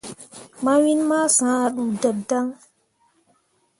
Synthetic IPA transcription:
ma˦wi˦nma˦sã˨˦a˨ɗu˨da˨da˦ŋ

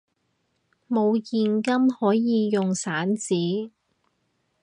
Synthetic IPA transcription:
mo˨˧wjiː˨nkɐ˥mhɔː˨˥jjiː˨˧jʊ˨ŋsaː˨˥nt͡siː˨˥

